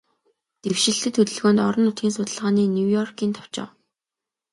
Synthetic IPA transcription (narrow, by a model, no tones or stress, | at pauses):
t̪ewʃɪ̆ɬt̪ɘ̆t̪ʰːɵt̪ɵ̆ɮɣoːnt̪ɔɾɞ̆nːʊt̪ɡʲiːnsʊt̪ə̆ɮʁaːniːnʲuwjɔrkiːnt̪ʰɔ̥w̥t͡ɕɪ̰̆w